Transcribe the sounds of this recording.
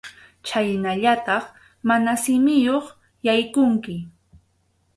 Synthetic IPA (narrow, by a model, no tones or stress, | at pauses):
t͡ʃajnaʎat̪ɑχ | manasɪmɪjoχ | jajkʊŋkɪ